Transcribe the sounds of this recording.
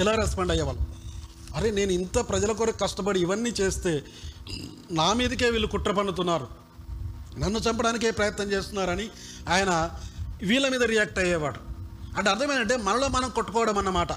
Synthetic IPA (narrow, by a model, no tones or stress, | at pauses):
ilaːɾɐspɐːɳɖɐjːɐʋɐːlu | ɐɾene̞ːnuint̪ɐpɾɐd͡ʒɐlɐk̬oːɾɐkːɐʂʈɐpɐɽiːʋɐnːiːt͡ʃe̞ːst̪e̞ː | naːmiːd̪ike̞ːʋiːlːukuʈɾɐpɐɳːut̪̬unːaːɾu | nɐnːut͡ʃɐmpɐɽaːnikeːpɾɐjɐt̪nɐɲt͡ʃeːst̪unːaːɾɐni | aːjɐnɐʋiːlɐmiːd̪ɐɾijaːk̚ʈɐjɛːʋaːɽuɐɳʈeɐɾt̪ʰɐmeːnɐɳʈ̬e̞ːmɐnɐlo̞ːmɐnɐmkoʈːu̥kɔːʋɐɽɐmɐnːɐmaːʈɐ